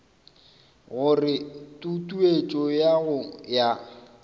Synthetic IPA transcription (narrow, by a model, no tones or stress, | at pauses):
ɣʊrɪtʼutʼuet͡ʃʼɔjaɣʊja